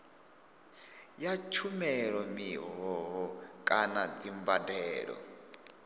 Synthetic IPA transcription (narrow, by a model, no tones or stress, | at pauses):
jat͡ʃʰumɛɺɔmiɦɔɦɔkʼanad͡zimbadɛːɺɔ̰